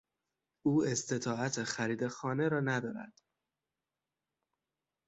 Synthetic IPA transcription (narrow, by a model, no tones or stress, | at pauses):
uːe̞st̪e̞t̪ʰɒːæt̪ʰexæɾiːd̪exɒːne̞ɾɒːnæd̪ɒːɾæ̰d̪̥